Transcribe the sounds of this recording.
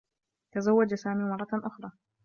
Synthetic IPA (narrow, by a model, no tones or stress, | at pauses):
t̪azawːad͡ʒsaːmiːmɑrˤːɑʔʊxɾˤɑː